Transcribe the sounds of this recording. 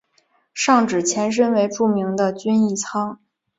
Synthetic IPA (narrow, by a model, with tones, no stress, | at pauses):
ʂɑ˥˩ŋʈ͡ʂɻ̩˨˩t͡ɕʰjɛ˧˥nʂ̬ə˥nwe˧˥ɪʈ͡ʂu˥˩mi˧˥ŋd̪ə˧t͡ɕy˥ni˥˩t͡sʰɑ˥ŋ